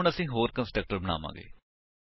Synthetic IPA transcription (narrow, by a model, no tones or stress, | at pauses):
ɳəsĩːɦoːɾkənsʈək̚ʈəɾbəna̰ːma̰ːɡḛː